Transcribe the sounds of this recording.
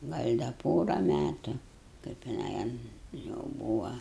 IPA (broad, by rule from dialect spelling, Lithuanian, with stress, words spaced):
ˈɡɐlʲ dɐ ˈpoːrɐ ˈmʲætʊ kɐɪp jɪˈnɐɪ ɐn jɛʊ ˈbuːʋɐ